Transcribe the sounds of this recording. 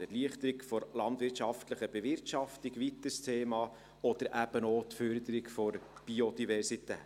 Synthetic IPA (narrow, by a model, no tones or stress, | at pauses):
ɛɾliəχt̪əɾikfɔɾlɑnd̪ʋɪɾtʃɑft̪ləχəb̥evɪɾtʃɑft̪iɡʋit̪ːəstʰeːmɑː | ɔd̪̥əɾʔæb̥ənoːt̪føɾd̪əɾikfɔɾb̥iod̥̪ivɛɾsitɛ̰ː